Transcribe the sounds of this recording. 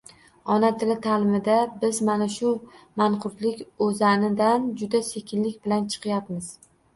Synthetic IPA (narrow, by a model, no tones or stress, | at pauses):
ɒnat̪ʰɪlɪt̪ʰalɪmɪd̪abɪzmanaʃʊmaɴqʰʊɾt̪lɪkʲɵzanɪd̪and͡ʒʊd̪ase̞kʲʰɪnlɪkʲbɪlant͡ʃʰɨ̥qʰjapmɪz̥